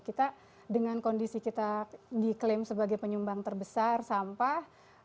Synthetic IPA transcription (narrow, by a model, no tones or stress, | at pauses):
kit̪a | dəŋankondisikit̪adiklɪmsəbaɡajpəɲumbaŋt̪ərbəsarsampa